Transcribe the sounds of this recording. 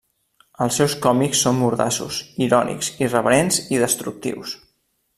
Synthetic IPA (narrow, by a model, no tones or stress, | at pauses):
əlˠsːɛwskɔmiksːombuɾða̰sṵsiɾɔnḭksirəβəɾenziðəst̪ɾuk̚t̪ḭws